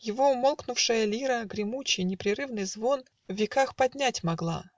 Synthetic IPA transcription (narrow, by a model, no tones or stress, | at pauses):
jɪvo̞ʊmo̞lˠknʊfʂɨjəlʲiɾəɡɾʲɪmut͡ɕɪjnʲɪpɾʲɪɾɨvnɨjzvo̞n | vvʲɪkaxpɐdʲnʲætʲmɐɡlˠa̰